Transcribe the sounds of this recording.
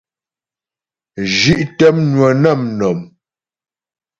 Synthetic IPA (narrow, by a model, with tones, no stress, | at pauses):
ʒi˦ʔtɛ˦mnwə˨nɛ˦˨mnɔ˨m